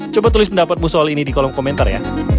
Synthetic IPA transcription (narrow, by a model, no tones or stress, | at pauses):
t͡ʃobat̪ulɪs̬pəndapat̪̚musɔalinidikɔlɔmkomɛnt̪arja̰